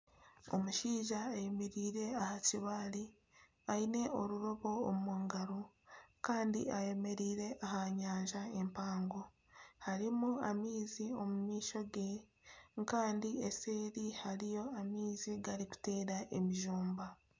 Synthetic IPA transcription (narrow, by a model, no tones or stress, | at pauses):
o̞̰muʃiːʒaːjemeɾiːɾe̞ahaciβaːli | aine̞o̞ɾuɾoβo̞ːmmuːŋɡaɾo | kaːndḭaje̞me̞ɾiːɾe̞ʔahaɲaːɲʒae̞mpaːŋɡo̞ | haɾimuamiːzio̞mumiːʃo̞ɡe̞ | ŋkaːndiese̞ːɾihaɾijo̞amiːziɡaɾiku̥te̞ːɾaʔe̞miʒuːmba